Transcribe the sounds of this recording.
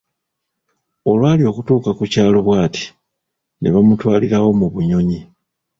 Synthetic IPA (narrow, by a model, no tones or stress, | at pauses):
o̞lwaːlio̞ːkutuːkakucaːlo̞βwaːti̥ | nḛβamutwaːliɾawo̞muβuɲo̞ɲi